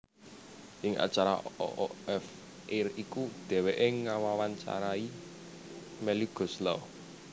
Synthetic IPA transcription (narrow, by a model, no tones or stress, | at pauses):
ʔɪŋʔa̰t͡ʃaɾa̰o̰ʔo̰ɛf | ʔerikud̪̥ɛ̤weʔeŋawawaɲt͡ʃa̰ɾai | mɛluɡ̥ɔ̤slɔ